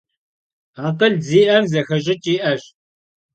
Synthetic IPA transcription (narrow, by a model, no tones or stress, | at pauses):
aːqɐɮziːʔɐrzɐxɐʒɪt͡ʃʼiːʔɐr